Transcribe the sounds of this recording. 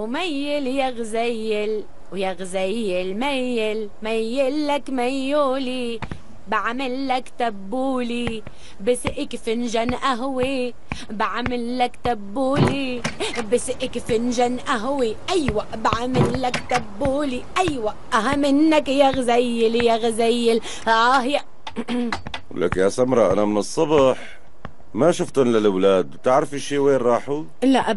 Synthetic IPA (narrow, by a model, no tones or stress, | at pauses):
wmajːɪljaɣzajːɪl | wjaɣzajːɪlmajɪl | majːɪlːakmajːuːli | baʕmɪlːakt̪abːuːli | bɪsʔɪkfɪnʒanʔaɦwi | baʕmɪlːakt̪abːuːlibɪsʔɪkfɪnʒanʔaɦwiʔajːwaʔbaʕamɪlːakt̪abːuːliʔajːwaʔʔaɦamɪnːakjaɣazajːɪljaɣazajːɪl | ahja | w̰lʔa̰ːknjasamɾˤɑʔa̰namɪnɨsˤːɑbɑħ | maʃʊft̪ʊnlalwlaːd̪wt̪ɪʕɾafiʃːiːweːnɾˤɑːħu | laʔ